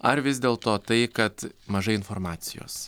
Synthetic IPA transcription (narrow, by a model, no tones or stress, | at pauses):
ɐɾʋʲɪzd̪ʲeːlˠt̪oːt̪ɐɪkɐt̪mɐʒɐɪɪnfoːɾmɑːt̪sʲɪjo̰ːs